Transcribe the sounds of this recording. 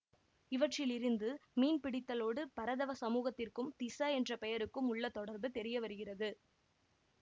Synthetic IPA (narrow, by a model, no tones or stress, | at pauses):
ɪʋɐʈrɪlɪɾɯnd̪ɯmiːnpɪɽɪt̪ːɐloːɽɯpɐɾɐðɐʋɐsɐmuːɣɐt̪ːɪrkɯmt̪ɪsɐɛndrɐpɛjɐɾɯkːɯmʊɭːɐt̪ːɔɽɐɾbɯt̪ɛɾɪjɐʋɐɾɯɣɪrɐðɯ